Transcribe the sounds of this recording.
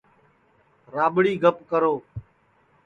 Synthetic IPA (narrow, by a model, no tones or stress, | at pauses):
ɾaːɓɽiːɡəpkəɾoː